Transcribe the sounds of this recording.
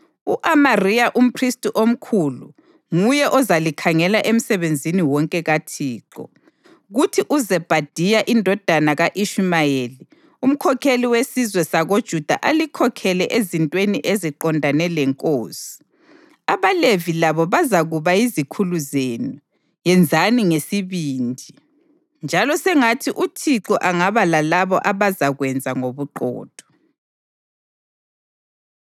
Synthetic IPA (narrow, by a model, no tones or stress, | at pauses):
uʔamarijaʔum̩pʰristʼiʔom̩kʰulṵ | ŋujɛʔɔzalikʰaŋɛlaʔem̩sɛβend͡zʱiniwɔŋkʼɛɣatʰiːǃɔ̰ | ɣutʰiʔuzɛb̥ʱad̥ʱijaʔindʱɔd̥ʱanaɣaʔiʃumajeli | um̩kʰɔkʰeliwesizwɛsaɣod̥ʒ̥ʱud̥ʱa̰ʔalikʰɔkʰɛlɛʔezintʼweniʔeziǃɔndʱanɛlɛŋkʼoːsi̥ | aβalevilaβɔβazaɣuβaizikʰuluzenu | jɛnd͡zʱaniŋesiβiːndʱi | nd͡ʒʱalɔsɛŋatʰiʔutʰiǁɔʔaŋaβalalaβɔ̰ʔaβazaɣwɛnd͡zʱaŋoβuǃɔ̰ːd̥ʱɔ̥